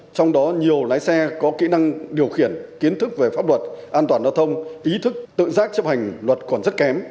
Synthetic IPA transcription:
t͡ɕɔ˧wŋ͡mɗɔ˨˦ɲi˨˩əwlaː˨˦jsɛ˧kɔ˨˦kḭ˧˥na˧ŋɗi˨˩əwxi˧˩ənki˨˦ənt̪ʰɨ˦˥k̚ve˨˩faː˦˥p̚lwə˨˩t̚ʔaː˧nt̪waː˨˩nzaː˧t̪ʰə˧wŋ͡mʔi˨˦t̪ʰɨ˦˥k̚t̪ɨ̰˧˨zaː˦˥k̚t͡ɕə˦˥p̚ha˨˩ŋ̟lwə˨˩t̚kɔ˨˩nzə˦˥t̚kɛ˨˦m

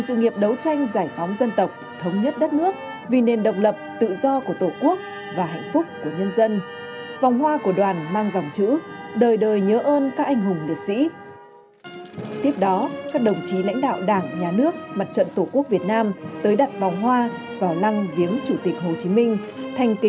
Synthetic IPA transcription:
sɨ̰˧˨ŋi˨˩əp̚ɗə˨˦wt͡ɕa˧jŋ̟zaː˧˩jfɔ˨˦wŋ͡mzə˧nt̪ə˨˩wk͡p̚t̪ʰə˨˦wŋ͡mɲə˦˥t̚ɗə˦˥t̚nɨ˦˥ək̚ | vi˨˩ne˨˩nɗə˨˩wk͡p̚lə˨˩p̚t̪ɨ̰˧˨zɔ˧ku˧˩ət̪o˧˩ku˦˥ək̚ | vaː˨˩ɦɛ̰˧˨jŋ̟fʊ˦˥k͡p̚ːku˧˩əɲə˧nzə˧n | va˨˩wŋ͡mɦwaː˧ku˧˩əɗwaː˨˩nmaː˧ŋza˨˩wŋ͡mt͡ɕɨ̰˧˥ɗəː˨˩jɗəː˨˩jɲəː˨˦ʔəː˧nkaː˦˥k̚ʔa˧jŋ̟ɦʊ˨˩ŋ͡mli˨˩ət̚sḭ˧˥ | t̪i˦˥əp̚ɗɔ˨˦kaː˦˥k̚ɗə˨˩wŋ͡mt͡ɕi˨˦la̰˧˥jŋ̟ɗa̰ː˧˨wɗaː˧˩ŋɲaː˨˩nɨ˦˥ək̚ma˨˩t̚t͡ɕə̰˧˨nt̪o˧˩ku˦˥ək̚vi˨˩ət̚naː˧mt̪əː˨˦jɗa˨˩t̚va˨˩wŋ͡mɦwaː˧ | vaː˨˩wla˧ŋvi˨˦ənt͡ɕu˧˩t̪ï˨˩k̟̚ɦo˨˩t͡ɕi˨˦mï˧ŋ̟t̪ʰa˨˩jŋ̟ki˨

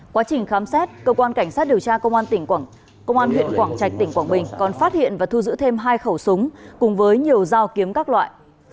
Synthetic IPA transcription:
kwaː˨˦t͡ɕï˨˩ŋ̟xaː˨˦msɛ˦˥t̚kəː˧kwaː˧nka˧˩jŋ̟saː˦˥t̚ɗi˨˩əwt͡ɕaː˧kə˧wŋ͡mʔaː˧nt̪ï˧˩ŋ˧˩ | kə˧wŋ͡mʔaː˧nhwḭ˧˨ənkwaː˧˩ŋt͡ɕa˨˩jk̚t̪ï˧˩ŋ̟kwaː˧˩ŋɓï˨˩ŋ̟kɔ˨˩nfaː˦˥t̚hḭ˧˨ənvaː˨˩t̪ʰu˧zɨ̰˧˥t̪ʰe˧mɦaː˧jxə˧˩wsʊ˨˦ŋ͡mkʊ˨˩ŋ͡mvəː˨˦jɲi˨˩əwzaː˧wki˨˦əmkaː˦˥k̚lwa̰ː˧˨jʔ

